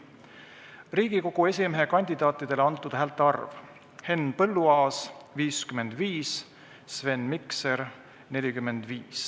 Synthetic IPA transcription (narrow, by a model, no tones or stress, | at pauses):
riːɡ̥iko̞ɡ̥ue̞sʲimeɦe̞kɑnʲd̪̥ʲid̪̥ɑːt̪ːˑid̪̥e̞leɑnt̪ːˑud̪̥hæːlt̪ːˑɑrv | he̞npɤlːuɑːsviːskyme̞nd̪̥viːs | sve̞nːmikse̞ɾ | ne̞lʲikymːe̞nd̪̥viːs